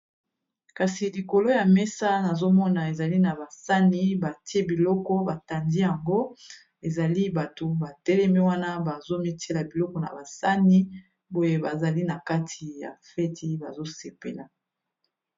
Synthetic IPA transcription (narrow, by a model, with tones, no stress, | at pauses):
ka˨si˨li˨ko˨lo˦ja˨mɛ˦sa˦na˨zo˦mɔ˦na˨e˨za˨li˦na˨ba˨sa˦ni˦ba˨ti˦e˦bi˨lɔ˦kɔ˦ba˨ta˨ndi˦ja˨ŋɡo˦ | e˨za˨li˦ba˨to˨ba˨tɛ˦lɛ˦mi˦wa˦na˦ba˨zo˦mi˦tʰe˦la˨bi˨lɔ˦kɔ˨na̰˨ba˨sa˦ni˦ | bo˦je˦ba˨za˨li˦na˨ka˦tʰi˨ja̰˨fɛ˦ti˦ba̰˨zo˦se˨pḛ˨la˨